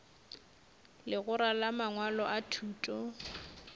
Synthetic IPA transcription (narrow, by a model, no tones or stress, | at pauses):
lɪɣʊɾalamaŋwalɔʔatʰuːtʼɔ